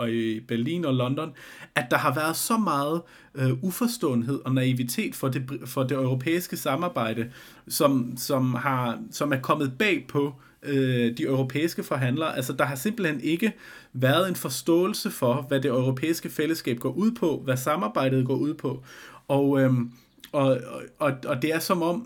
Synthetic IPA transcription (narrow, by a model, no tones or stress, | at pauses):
ɒ̽ib̥æɐlḭːnɒ̽lɒ̽nd̥ɒ̽næd̥ɑ̈ɦɑ̈ʋæɐð̞̩ˠsɒ̽mɑ̈ːð̞̩ˠ | øufɒ̽sd̥ɔ̰̽ːn̩ɦe̝ð̞̰ˠɒ̽næiʋit͡sʰe̝̰ːd̥fɒ̽defɒ̽d̥e̝ɒʊʁo̝pʰḛːisɡ̥əsɑ̈mɑ̈ːb̥ɑ̈ɪ̰dɾ̥ə | sɒ̽msɒ̽mhɑ̈sɒ̽mæɐkʰɒ̽m̰ð̞̩ˠb̥ɛ̰ːpʰɒ̽ | ød̥iɒʊʁo̝pʰḛːisɡ̥əfɒ̽ɦæn̰lɐːʔælsəd̥ɑ̈ɦɑ̈se̝m̰b̥l̩hene̝ɡ̥əʋæɐð̞ˠe̝nfɒ̽sd̥ɔ̰̽ːl̩səfɒ̽ʋæde̝ɒʊʁo̝pʰḛːisɡ̥əfel̰əsɡ̥ɛ̰ːb̥̚ɡ̥ɒ̰ːʔuð̞̰ˠpʰɒ̽ʋæsɑ̈mɑ̈ːb̥ɑ̈ɪ̰ɾ̥ð̞̩ˠɡ̥ɒ̰ːuð̞̰ˠpʰɒ̽ɒʊø | ɒ̽ɒ̽ɒ̽d̥e̝æɐsɒ̽mɒ̽m̰